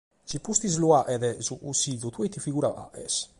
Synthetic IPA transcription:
cipust̪izluaʔɛðɛzuʔusiðut̪uejt̪ifiɣuɾaʔa̰ʔɛ̰s

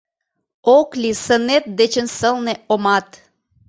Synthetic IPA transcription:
oklʲisə̆net̪̚d̪et͡ɕə̆nsəlneomɑt̪

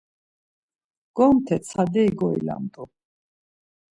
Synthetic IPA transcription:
ɡ̥ɔmt̪ʰɛt̪sʰad̪ɛːɡɔḭla̰mt̪ʼu

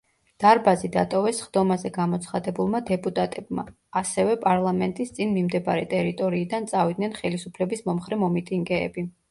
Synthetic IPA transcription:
d̪̥aɾbazid̪a̰t̪ʼɔvɛsχd̪ɔmazɛɡamɔt̪sʰχad̪ɛbulˠmad̪ɛpʼut̪ʼat̪ʼɛb̚ma̰ː | sɛvɛpʼaɾlˠamɛnt̪ʼist̪sʼinmimd̪ɛbaɾɛt̪ʼɛɾit̪ʼɔɾiːd̪ant̪sʼavid̪̚nɛnχɛlisupʰlɛbismɔmχɾɛmɔmit̪ʼiŋɡɛ̰ːbi

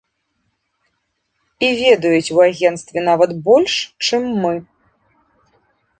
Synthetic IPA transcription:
ivʲɛd̪ɐjut͡sʲwaɣʲɛnt̪st̪vʲɛnavɐt̪bɔlʲʂt͡ʂɨmːɨ

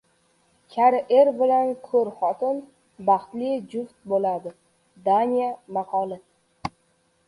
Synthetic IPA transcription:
kʲʰaɾɪʔeɾbɪlankʰɵɾχɒt̪ʰɪn | bɑχt̪lɪd͡ʒʊft̪̚bolad̪ɪ | d̪anijamɑqʰɒlˠɪ

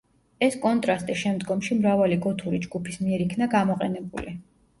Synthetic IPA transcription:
ɛskʼɔnt̪ʼɾast̪ʼiʃɛmd̪ɡɔmʃimɾavaliɡɔt̪ʰuɾid͡ʒɡupʰismiɛɾikʰnaɡamɔqʼɛnɛbuli

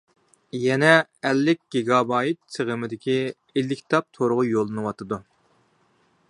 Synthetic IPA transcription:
jɛnɛɛlːɪkʲɡ̥ʲeɡɑbɑːjit̪̚sʰəʁəmɪd̪ɪkʲʰi | elːɪkʲʰt̪ʰɑp̚t̪ʰoɾʊʁʊjolˠːɨnɨwɑt̪ʰɨd̪u

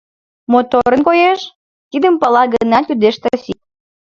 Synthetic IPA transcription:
mot̪oɾənkojeʃ | t̪id̪əmpɑlɑɡənɑt̪ʲyd̪eʃt̪ɑsit̪̚

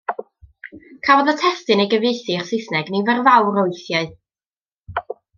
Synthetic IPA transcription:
kʰavɔðətʰɛstɨnejɡəvejθɨrsɪθnɛɡnivɛrvawɾoɨθjaɨ

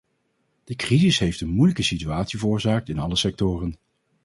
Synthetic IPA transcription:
d̥əkrizɪsɦejftənmujləkəsityaːtsivərʊːɹzaːk̚tɪnɑləsɛk̚tʊːrən

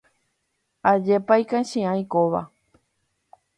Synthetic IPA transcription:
ad͡ʒepajkãʃĩãj̃koʋa̰

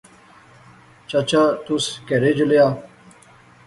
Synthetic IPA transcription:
t͡ʃat͡ɕaːt̪ʊskeɾeːd͡ʒʊljaː

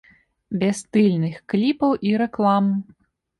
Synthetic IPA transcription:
bʲɛst̪ɨlʲnɨxklʲipɐwʔiɾɛklˠam

